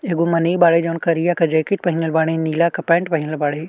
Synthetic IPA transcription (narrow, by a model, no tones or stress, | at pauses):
eːɡomɐneːbaːɽed͡ʒɐʋnkɐɾijakɐd͡ʒeːkɪʈ̚pɐɦɪnəlbaːɽ̃ẽniːlakɐpɛ̃ːɳʈ̚pɐɦɪnəlbaːɽeː